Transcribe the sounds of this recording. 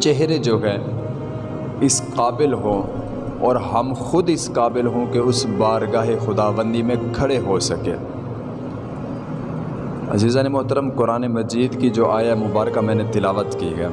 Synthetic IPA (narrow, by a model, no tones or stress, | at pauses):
t͡ʃɛɦɾed͡ʒoːɦɛ | ɪsqaːbɪlɦõ | ɔːɾɦɐmxʊd̪ɪsqaːbɪlɦõkeʊsbaːɾɡaːɦexʊd̪aːʋə̃nd̪imẽkʰɐɽeɦosɐkḛː | ɐ̰ziːzaːnemʊɦt̪əɾəmkʊɾaːnemɐd͡ʒiːd̪kid͡ʒoːʔaːjaɛmʊbaːɾkamɛ̃ːnet̪ɪlaːʋət̪kiɡɐja̰ː